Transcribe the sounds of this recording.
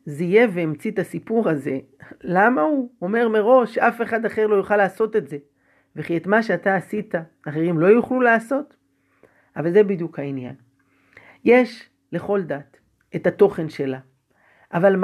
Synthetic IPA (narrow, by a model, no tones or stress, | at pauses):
zije̞veːmt͡sit̪asipuʁaze̞ | lamauome̞ʁme̞ʁo̞ʃːafe̞χad̪aχe̞ʁlo̞juχalaːso̞te̞tze̞ | veχietmaʃeataːsitaː | χeʁimlo̞juχlulaːso̞t | avalze̞bid̪jukhainja̰n | je̞ʃ | le̞χo̞ldat̪ | etato̞χe̞nʃe̞la | ʔavalm